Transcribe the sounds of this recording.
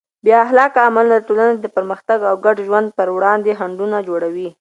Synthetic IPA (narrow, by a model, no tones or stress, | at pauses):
bjɑɦlɑkaːmalːaʈolaned̪əpəɾməxt̪aɡawɡaɖʒwand̪̚pəɾwɽɑnd̪eɦaɳɖunad͡ʒoɽawi